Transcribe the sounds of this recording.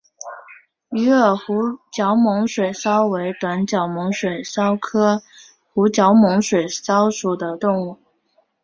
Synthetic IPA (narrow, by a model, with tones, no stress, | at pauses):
y˧˥ə˨˩xu˧˥t͡ɕjɑ˧˥ʊmʊ˧˥ŋʂwe˨˩ɪsɑ˥ʊwe˧˥ɪt̪wa˧˥nt͡ɕjɑ˨˩ʊmʊ˧˥ŋʂwe˨˩ɪsɑ˥ʊkʰɤ˥ | xu˧˥t͡ɕjɑ˧˥ʊmʊ˧˥ŋʂwe˨˩ɪsɑ˥ʊʂu˨˩d̪ə˦t̪ʊ˥˧ŋu˥˩